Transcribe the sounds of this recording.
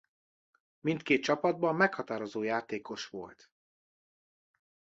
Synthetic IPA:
mint̪keːt̪̚t͡ʃɒpɒd̪̚bɒmːɛkhɒt̪aːɾo̞zoːjaːt̪eːko̞ʃʋo̞̰lt̪

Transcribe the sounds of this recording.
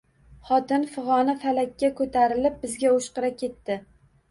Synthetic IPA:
χɒt̪ɪnfɨʁɒnafalakʲːakʰɵt̪ʰaɾɪlɪp̚bɪzɡʲaoʃqɨɾakʲʰe̞t̪ːɪ

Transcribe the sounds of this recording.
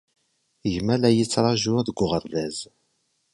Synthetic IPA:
ʝmælæjit͡sːɾˤɑʒuðəɡʷʊʁəɾˤðæz

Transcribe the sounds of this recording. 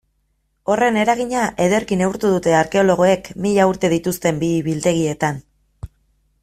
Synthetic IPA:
o̞re̞ne̞ɾaɣ̞iɲaʔe̞ðe̞ɾkine̞uɾt̪uðut̪e̞aɾke̞o̞lo̞ɣ̞o̞e̞kmiʎauɾt̪e̞ð̞it̪ust̪e̞mbiβilt̪e̞ɣ̞ie̞t̪an

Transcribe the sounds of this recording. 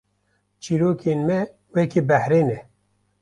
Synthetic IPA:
t͡ʃʰiɾoːkʰeːnmɛ | wɛkibɛhɾeːnɛ

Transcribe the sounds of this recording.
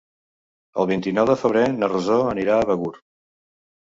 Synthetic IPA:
ə̰lˠβ̞int̪inɔwðəfəβ̞ɾenərəzoəniɾaəβəɣuɾ

